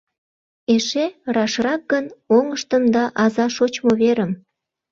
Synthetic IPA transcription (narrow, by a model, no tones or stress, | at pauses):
eʃerɑʃrɑk̚ɡənoŋəʃt̪əmd̪ɑʔɑzɑʃot͡ɕmoβeɾəm